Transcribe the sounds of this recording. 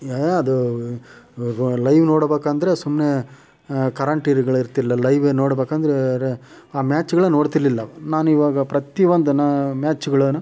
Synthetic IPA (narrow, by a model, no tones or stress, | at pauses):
ɐd̪u | lɐjʋnoːɽbeːkaːnd̪ɐɾe̞sumne | kɐɾaɳʈiːɾɡɐɭiɾt̪ilːɐlɐjʋenoːɽbeːkaːnd̪ɐɾeɾe | aːmaːt͡ʃːɡɐɭɐnoːɽt̪ilːilːɐnaːnuiʋaːɡɐpɾɐt̪iʋond̪unɐmaːt͡ʃːuɡɐɭɐnu